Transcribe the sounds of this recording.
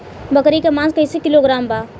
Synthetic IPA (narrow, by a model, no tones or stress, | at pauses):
bɐkɾikemãːnskɐisekɪloɡɾaːmbaː